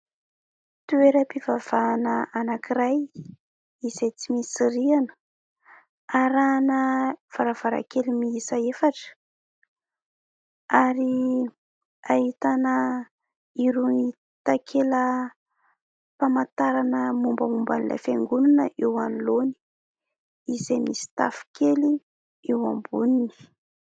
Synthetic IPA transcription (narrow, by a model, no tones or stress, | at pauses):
t̪ueɾəpivav̥anəanakiɾaj | izejt͡simisiɾianə̥ | aɾanəv̥aɾav̥aɾa̰kelimiisaefaʈ͡ʂə̥ | aɾi | aɦit̪anə | iɾui | t̪akʰelə | pamat̪aɾanəmumbəmumbanila̰feŋɡunanəʔewaniloni̥ | izemisi̥t̪a̰fi̥keli | ewambunini̥